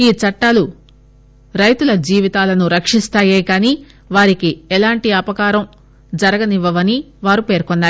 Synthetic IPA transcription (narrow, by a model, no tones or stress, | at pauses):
iːt͡ʃɐʈːaːlu | ɾɐjt̪ulɐd͡ʒiːʋit̪aːlɐnuɾɐkʂist̪aːjeːkaːniː | ʋaːɾikiɛlaːɳʈiɐpɐkaːɾɐm | d͡ʒɐɾɐɡɐniʋːɐʋɐni | ʋaːɾupe̞ːɾkɔnːaːɾu